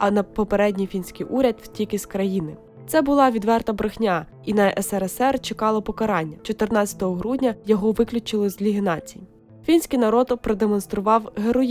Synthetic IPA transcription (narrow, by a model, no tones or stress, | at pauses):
ɐnɐpɔpeɾɛdʲnʲijfʲinʲsʲkijʔuɾʲɐd̪w̥tʲikɪskɾɐjinɪ | t̪sɛbʊlˠɑʋʲid̪ʋɛrt̪ɐbɾɪxnʲɑ | inɐʔɛsɛɾɛsɛrt͡ʃekɑlˠɔpɔkɐɾɑnʲːɐt͡ʃɔt̪ɪrnɑt͡sʲɐ̥t̪ɔɦɔɦɾudʲnʲɐjɔɦɔʋɪklʲʊt͡ʃɪlˠɪzʲlʲiɦɪnɑt͡sʲiji | fʲinʲsʲkijnɐɾɔd̪pɾɔd̪emɔnst̪ɾʊʋɑwɦeɾɔj